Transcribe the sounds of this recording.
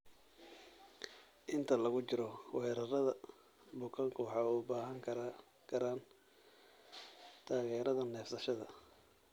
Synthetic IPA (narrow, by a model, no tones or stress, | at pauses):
ʔɪnt̪ʰɐlɐɣʊt͡ʃɪɾɔwɛːɾɐrɐðɐ | bʊkʰɐŋkʰʊħɑʊbaːɦɐŋkʰɐɾ | kʰɐɾaːn | t̪ʰaːɣɛːɾɐðɐnɛːfsɐʃɐðɐ